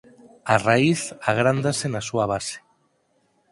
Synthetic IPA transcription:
araiθaɣ̞ɾand̪asenasuaβ̞ase̥

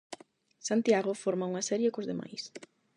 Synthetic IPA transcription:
sant̪jaɣofɔɾmauŋasɛɾjekozðemʔa̰js

